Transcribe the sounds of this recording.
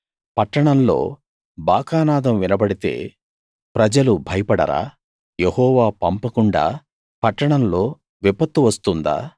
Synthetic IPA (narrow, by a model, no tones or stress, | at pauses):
pɐʈːɐɳɐmlo̞̰ː | baːkaːnaːd̪ɐmʋinɐbɐɽit̪e̞̰ː | pɾɐd͡ʒɐlubʱɐjɐpɐɽɐ̰ɾa̰ː | jehɔːʋaːpɐmpɐkuɳɖa̰ː | pɐʈːɐɳɐmlo̞ː | ʋipɐt̪ːuʋɐst̪und̪a̰ː